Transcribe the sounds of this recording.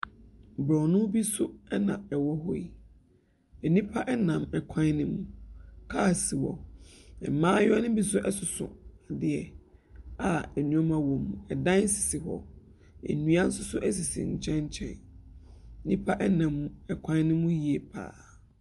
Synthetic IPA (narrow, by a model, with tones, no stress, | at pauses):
bɾɔ˨nʊ̃˦bi˦sʊ˦ɛ˦nã̰˨ɛ˨wɔ˦ɦɔ˦i˦˨ | æ˨nĩ˦pʰa˦ʔɛ˦nã˨mɛ˨kʷʰã˦n˦nɪ̃˦mũ˦kʰa˦˨si˨wɔ̰˨ɛ̰˨mãː˦jɔ˦nɪ̃˦bi˦sʊ˦ʔɛ˦sʊ˨sʊ̰̃˨a˨dɪ˦ɛ˨ | a˨æ˨nũ˨ɔ˦mã˨wɔ̃˨mũ˨ɛ˨dã˦n˦si̥˨si˨ɦɔ̰˨ | æ̰˨nũ˦a˦n̩˦sʊ˦sʊ˦ʔæ˦s̬i˨sḭ˨ɲ̩˨t͡ɕʰɛ̃˦ɲ˦t͡ɕʰɛ̰̃˦n˦ | nĩ˦pʰa˦ʔɛ˦nã˨m˦ɛ˨kʷʰã˦n˦nɪ̃˦mũ˦ji˨e˨pʰa̰ː˨